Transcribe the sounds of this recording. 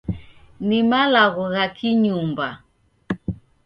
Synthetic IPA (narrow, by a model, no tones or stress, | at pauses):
nimalaɣɔɣakʰiɲumba